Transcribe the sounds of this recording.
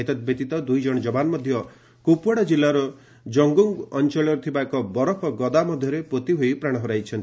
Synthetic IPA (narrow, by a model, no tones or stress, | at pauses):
et̪ɔt̪̚bʱed̪it̪ɔd̪ujd͡ʒɔɽ̃ɔd͡ʒɔbanɔmɔd̪ʱjɔ | kupɔɽɔd͡ʒilːaɾɔ | d͡ʒɔŋɡuŋɡɔnt͡ʃɔɭɔɾt̪ʰibakɔbɔɾɔpʰɔɡɔd̪amɔd̪ʱjɔɾepot̪iɦojpɾaɽ̃ɔɦɔɾajt͡ʃʰɔnt̪i